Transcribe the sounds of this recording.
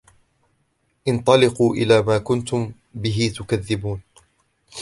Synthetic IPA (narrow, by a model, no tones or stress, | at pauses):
ʔɪnt̪ˤɑlɪquːʔɪ̰laːmaːkʊnt̪ʊm | bɪɦɪt̪ʊkaðːɪbuːn